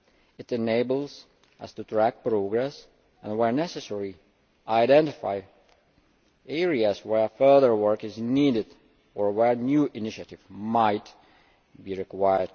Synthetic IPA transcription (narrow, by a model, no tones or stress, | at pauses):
ɨtɨneɪbl̩ˠz | ʔə̰stutʰɹæk̚pɹoɡɹɛs | ə̃nwɛɹnɛsɨsɛɹi | ʔaɪdɛ̃ntɪfa̰ɪ | ɛɹiəzwɛɹfɜ˞ðə˞wɜ˞kɪzniːdɪd | əɹwɛɹnjuʔɪnɪʃɨtɪvmaɪt | biɹɪkwajə˞d